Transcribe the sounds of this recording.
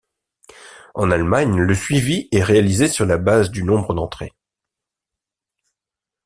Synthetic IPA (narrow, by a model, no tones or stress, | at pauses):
ɑ̃nalmaɲləsɥiviɛʁealizesyʁlabazd̪ynɔ̃bʁəd̪ɑ̃t̪χḛ